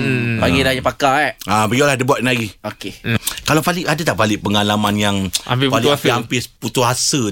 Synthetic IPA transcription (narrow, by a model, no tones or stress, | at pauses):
paɡidaɲapakaɛabəɡialahdəbuat̪̚naɡiokekalawpalɪʔadat̪aʔpalɪʔpəŋalamanjaŋa̰mpipalɪampɪsput̪uɦasə